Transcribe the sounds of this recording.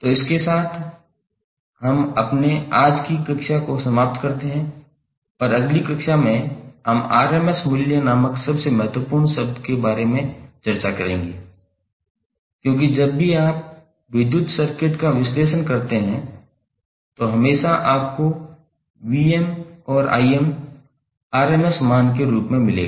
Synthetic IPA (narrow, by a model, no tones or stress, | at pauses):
t̪oɪskesaːt̪ʰ | ɦɐmɐpneaːd͡ʒkikɪkʃakosɐmaːp̚t̪kɐɾt̪eɦɛ̃ | ɔːɾɐɡlikɪkʃamẽamaːɾemɛsmɪljənaːməksɐbsemɐɦət̪wəpʊːɾnsɐb̚d̪kebaːɾemẽt͡ʃɐɾt͡ʃakɐɾḛ̃ːŋ̆ɡeː | kjõːk̬id͡ʒɐbːiaːp̚ | ʋɪd̪jʊt̪sɐɾkɪʈ̪kaʋɪsleːʃənkɐɾt̪eɦɛ̃ | t̪oɦɐmeːʃaʔaːp̚ko | ʋiːɛmɔːɾʔa̰ːiɛm | aːɾeːmɛsmaːnkeɾuːpmẽmɪlḛːɡaː